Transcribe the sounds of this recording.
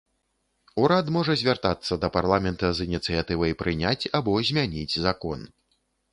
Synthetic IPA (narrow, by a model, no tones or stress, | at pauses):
uɾat̪mɔʐɐzʲvʲart̪at̪sːɐd̪ɐparlˠamʲɛnt̪ɐzɨnʲit̪sɨjat̪ɨvɐjpɾɨnʲat͡sʲabɔzʲmʲanʲid͡zʲzakɔn